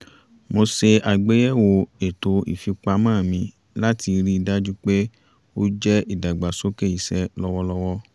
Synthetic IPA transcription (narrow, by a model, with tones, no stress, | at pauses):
mo˧se˧a˧ɡ͡be˦jɛ˦˨wo˧˨e˨to˧ḭ˨fi˧k͡pa˧mãː˦˨mĩ˧ | la˦tʰi˧ɾi˦i˧da˦d͡ʒu˦k͡pe˦ | o˦d͡ʒɛ˦i˦˨da˨ɡ͡ba˨so˦ke˦˨i˨sɛ˦lɔ˦wɔ˦lɔ˦wɔ˦